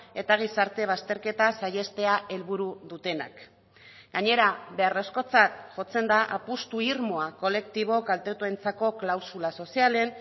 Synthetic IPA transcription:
e̞t̪aɣ̞isaɾt̪e̞β̞ast̪e̞ɾke̞t̪asaje̞st̪e̞aʔe̞lβuɾuðut̪e̞na̰k | ɡ̥aɲe̞ɾaβe̞aresko̞t͡sat̪̚ʝo̞t͡se̞nd̪aʔapust̪uiɾmo̞ako̞le̞k̚t̪iβ̞o̞kalt̪e̞t̪ue̞nt͡sako̞klawsulaso̞siale̞n

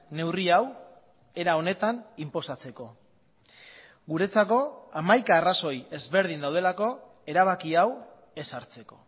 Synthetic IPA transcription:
ne̞wriaw | e̞ɾao̞ne̞t̪animpo̞sat͡se̞ko̞ | ɡuɾe̞t͡sako̞amajkaːraso̞je̞zβe̞ɾð̞ind̪awð̞e̞lako̞ | e̞ɾaβ̞akiaw | e̞saɾt͡se̞ko̞̥̰

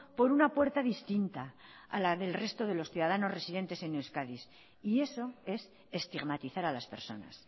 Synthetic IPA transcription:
po̞ɾunapwe̞ɾt̪aðist̪int̪aa̰laðe̞lre̞st̪o̞ðe̞lo̞sθjuðaðano̞zre̞siðe̞nt̪e̞se̞newskaðis | ie̞so̞e̞s | e̞st̪iɣmat̪iθaɾalaspe̞ɾso̞̰na̰s

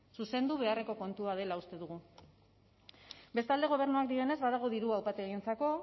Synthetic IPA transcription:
suse̞nd̪uβ̞e̞are̞ko̞ko̞nt̪uaðe̞laust̪e̞ðuɣ̞u | be̞st̪ald̪e̞ɣ̞o̞β̞e̞ɾnuak̚d̪ie̞ne̞zβað̞aɣ̞o̞ðiɾuawpat̪eeɣint͡sako̞

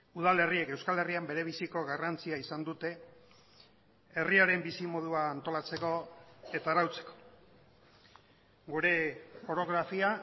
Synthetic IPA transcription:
uð̞ale̞rie̞ke̞wskale̞riambe̞ɾe̞β̞isiko̞ɣarant͡siaisand̪ut̪e̞ | riaɾe̞mbisimo̞ð̞uaːnt̪o̞lat͡se̞ko̞e̞t̪aːɾawt͡se̞̥ko̥ | ɡuɾe̞fo̞ɾo̞ɣ̞ɾafia

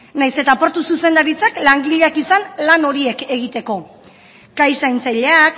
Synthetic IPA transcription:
najse̞t̪apo̞ɾt̪ususe̞nd̪aɾit͡saklaŋɡiʎeakisanlano̞ɾie̞ke̞ɣ̞it̪e̞ko̞ | kajsajnt͡sajʎeak

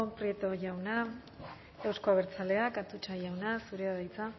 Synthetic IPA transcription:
pɾje̞t̪o̞ʝawna | ewsko̞aβ̞e̞ɾt͡sale̞akat̪ut͡ʃaʝawnasuɾeaðajt͡sa

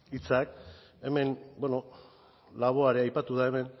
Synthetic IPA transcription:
it͡sak | e̞me̞nbweno̞ | laβ̞o̞aɾeajpat̪uðae̞me̞n

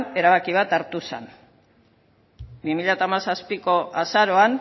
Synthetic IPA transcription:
ne̞ɾaβ̞akiβ̞at̪aɾt̪usḛn | bimiʎat̪amasaspiko̞ʔasaɾo̞an

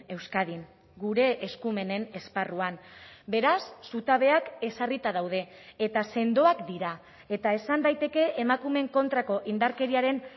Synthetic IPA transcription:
e̞wskaðin | ɡuɾe̞ʔːskume̞ne̞ne̞sparuambe̞ɾasːut̪aβ̞e̞ake̞sarit̪að̞awð̞e̞ːt̪ase̞nd̪o̞akd̪iɾa | e̞t̪ae̞sand̪ajt̪e̞ke̞ʔemakume̞ŋko̞nt̪ɾako̞ʔind̪aɾke̞ɾiaɾe̞n

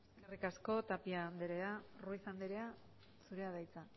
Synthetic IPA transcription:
karikasko̞t̪apiand̪eɾe̞aruisand̪eɾe̞a | suɾe̞aðajt͡sa

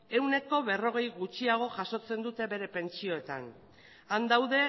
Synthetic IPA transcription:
e̞wne̞ko̞βe̞ro̞ɣ̞e̞jɣut͡ʃiaɣ̞o̞ʝaso̞t͡se̞nd̪ut̪e̞βe̞ɾe̞pe̞nt͡ʃio̞e̞t̪a̰n | and̪awðe̞

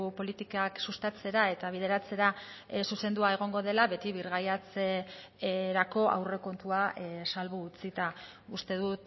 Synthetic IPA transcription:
po̞lit̪ikaksust̪at͡se̞ɾae̞t̪aβ̞ið̞e̞ɾat͡se̞ɾa | suse̞nd̪uae̞ɣ̞o̞ŋɡo̞ðe̞laβe̞t̪iβiɾɣajat͡se | ɾako̞ʔa̰wre̞ko̞nt̪uasalβuːt͡sit̪a | ust̪e̞ðut̪

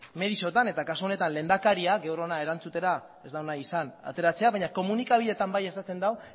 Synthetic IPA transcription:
me̞ðiso̞t̪ane̞t̪akasuo̞ne̞t̪anle̞ːnd̪akaɾiaɡe̞wɾo̞nae̞ɾant͡sut̪e̞ɾa | e̞zd̪awnaisana̰t̪e̞ɾat͡se̞aβaɲako̞munikaβ̞iðe̞t̪ambajesast̪e̞nd̪aw

